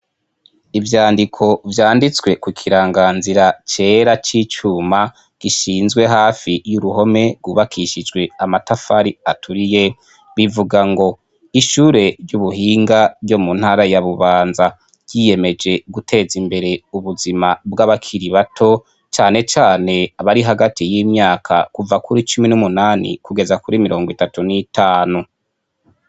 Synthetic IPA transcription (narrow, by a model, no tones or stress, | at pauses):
ivjaːndikʰo̞vjaːndit͡swe̞kukʰiɾaːŋɡaːnziɾat͡ʃe̞ːɾat͡ʃit͡ʃuma | ɡ̥iʃiːnzɡwe̞ɦaːfijuɾuho̞me̞ɡwuːβakʰiʃid͡ʒɡwe̞amatafaɾiatʰuɾije̞ | βivuɡaŋɡo̞ | iʃuːɾe̞ɾjuβuɦiːŋɡavjo̞munhaɾajaβuβaːnza | ɟ̥ije̞me̞d͡ʒe̞ɡutʰe̞zimbe̞ɾe̞uβuzimabɡaβakʰiɾiβatʰo̞ | t͡ʃaːne̞t͡ʃaːne̞aβaɾiɦaɡatijiːmɲaːkʰakuvakuɾit͡ʃuminumunaːnḭkuɡe̞zakuɾimiɾʔo̞ːŋɡwitatunitʰaːnu